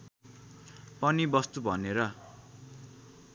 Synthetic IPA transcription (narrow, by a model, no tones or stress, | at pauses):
pʌnibʌst̪ubʱʌneɾʌ